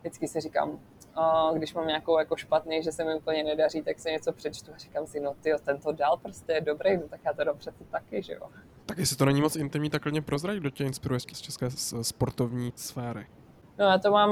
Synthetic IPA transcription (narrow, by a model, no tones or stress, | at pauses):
dɪt͡skɪsɪrika̰ːm | ɡdɪʃmamɲaːko̞wjako̞ʃpat̪nejʒɛsɛmɪupl̩ɲɛnɛdariːt̪aksɪɲɛt͡so̞pr̥ɛt͡ʃt̪uari̥kamsɪno̞t̪ɪot̪ɛnt̪odaːlpɾoscɛjɛdobɾejnot̪akjaːt̪odampr̥ɛt͡sɛt̪akɪʒɛ̰jo̰ | t̪akjɛsɪt̪onɛɲimot͡sɪnt̪ɪmɲiːt̪aklɪɲɛpɾozɾaidocɛɪnspɪɾujɛʃcɛst͡ʃʰɛskɛːspoɾt̪ovɲiːsfɛːɾɪ̰ | no̞jaːt̪o̞maːm